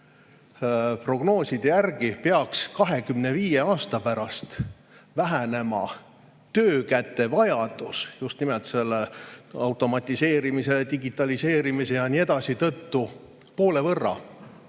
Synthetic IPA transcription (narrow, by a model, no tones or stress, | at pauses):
pro̞ɡ̥no̞ːsid̪̥ejærɡipeɑkskɑɦe̞kymne̞viːje̞ɑːst̪ɑpæɾɑst̪ | væɦæne̞mɑ̰ | t̪øːkæt̪ːe̞vɑjɑd̪̥usjust̪nimelt̪se̞lːeɑwt̪ˑo̞mɑt̪ʲːˑise̞ːɾimise̞led̪iɡit̪ːˑɑlise̞ːɾimise̞jɑnie̞d̪̥ɑsit̪ɤt̪ːu | po̞ːle̞vɤrːɑ̰